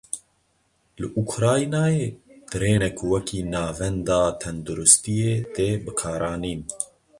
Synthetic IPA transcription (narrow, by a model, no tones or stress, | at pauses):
lɨʔukʰɾaːnaːjeːd̪̥ɨɾeːnɛkʰuwɛkʰiːnaːvɛnd̪ɑːt̪ʰɛnd̪uɾʊst̪ijeːt̪eːbɨkʰɑːɾɑːniːn